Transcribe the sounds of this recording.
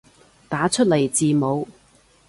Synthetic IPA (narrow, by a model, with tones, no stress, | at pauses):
t̪aː˨˥t͡ʃʰɵ˥t̚le˨˩jt͡siː˨mo˨˧w